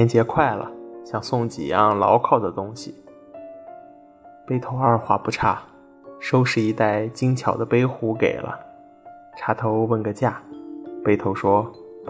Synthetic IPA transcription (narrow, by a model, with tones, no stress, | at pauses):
ɛ˥nt͡ɕjɛ˧˥kʰwa˥˩ɪlə̰˩ɕjɑ˥˩ŋsʊ˥˩ŋt͡ɕḭ˨˩jɑ˥˩ŋlɑ̰˧˥ʊkʰɑ˥˩ʊd̪ə˩t̪ʊ˥ŋɕi˨˩ | pe˥ɪt̪ʰo˧˥ʊə˞˥˧xwa˧˥pu˧˥ʈ͡ʂʰa˥˩ | ʂo˥ʊʂɻ̩˥˩i˧˥t̪a˥˩ɪt͡ɕi˥ŋt͡ɕʰjɑ˨˩ʊd̪ə˦pe˥ɪxu˧˥kḛ˨˩ɪlʔə̰˦ | ʈ͡ʂʰa˧˥t̪ʰo˧˥ʊwə˥˩nɡə˧t͡ɕja˥˩pe˥ɪt̪ʰo˧˥ʊʂwɔ˥